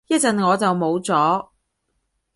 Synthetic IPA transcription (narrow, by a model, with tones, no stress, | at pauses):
jɐ˥t̚t͡sɐ˨nŋɔː˨˧t͡sɐ˨wmo˨˧wt͡sɔː˨˥